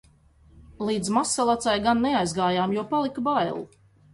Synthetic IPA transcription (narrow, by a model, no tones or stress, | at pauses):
lˠiːd̪zmasalˠat̪sajɡanːɛajzɡaːjaːmjuɔpalˠikbajlˠu